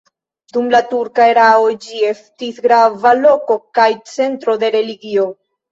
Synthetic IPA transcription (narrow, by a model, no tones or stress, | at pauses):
d̪umlatuɾkae̞ɾaod͡ʒie̞stisɡɾavalo̞ko̞kajt͡se̞ntɾo̞d̪e̞ɾe̞liɡio̞